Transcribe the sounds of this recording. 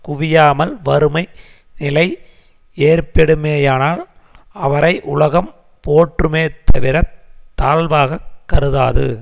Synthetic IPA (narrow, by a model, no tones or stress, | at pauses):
kʊʋɪjaːmɐlʋɐɾɯmɐɪ | nɪlɐɪ | eːrpɛɽɯmeːjaːnaːl | ɐʋɐɾɐɪʔʊlɐɣɐm | poːʈrɯmeːt̪ʰːɐʋɪɾɐt̪ːaːlʋaːɣɐkːɐɾɯða̰ːðɯ̰